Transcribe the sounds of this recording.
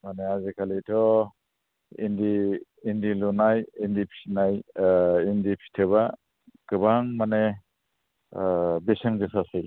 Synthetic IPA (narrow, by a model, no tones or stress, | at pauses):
maneazikʰaletʰɔ | indiː | ndilɔnajindipʰi̥najindipʰi̥tʰeβa | kɯbaŋmane | beseŋzesʰasɯj